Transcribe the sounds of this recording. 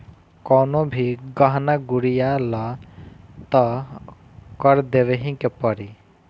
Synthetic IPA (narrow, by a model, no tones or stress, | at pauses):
kɔwnobʱiɡʌɦnaɡuɾijalɔ | t̪ɔ | kʌɾd̪eʋeɦĩkepʌɾi